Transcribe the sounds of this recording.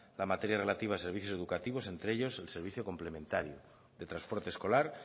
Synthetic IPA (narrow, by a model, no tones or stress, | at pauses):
lamat̪eɾjare̞lat̪iβ̞aːse̞ɾβiθjo̞se̞ðukat̪iβ̞o̞se̞nt̪ɾeeʎo̞selse̞ɾβ̞iθjoko̞mple̞mẽnt̪aɾjo | ðet̪ɾanspo̞ɾt̪esko̞laɾ